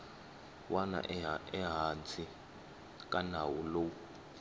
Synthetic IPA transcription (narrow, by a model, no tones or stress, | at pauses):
wʔana̰ʔɛɦant͡sʰʼi | k̬ʼanawulou